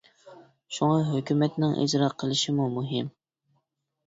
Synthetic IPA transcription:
ʃuŋɑɦøkʲymɛt̪nɪŋʔḭd͡ʒɾɑqʰːəlˠɪʃɪmumuɦɪm

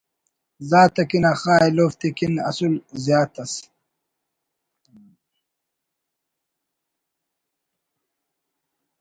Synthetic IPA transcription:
zaːt̪ɐkinaxaːjloːft̪ikinɐ̰sulzjaːt̪ɐs

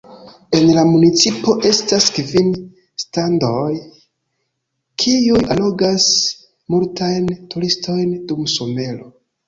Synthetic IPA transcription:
e̞nlamunit͡sipo̞ʔe̞staskvin | standoj | kʰiujʔalo̞ɡas | multajntuɾistʰo̞jndumsome̞lo

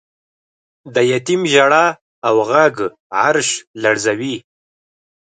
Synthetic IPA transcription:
d̪əjat̪imʒaɽa | awɣaɡ | ʕaɾʃlaɽzawi

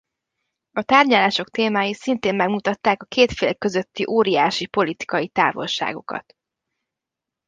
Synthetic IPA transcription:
ɒt̪aːrɟɒlaːʃo̞kt̪eːmaːjisint̪eːmmɛɡmut̪ɒt̪ːaːkɒkeːt̪feːlkøzø̞t̪ːiʔoːɾijaːʃipo̞lit̪i̥kɒjit̪a̰ːvo̞̰lʃa̰ːɡo̞̰kɒ̰t̪

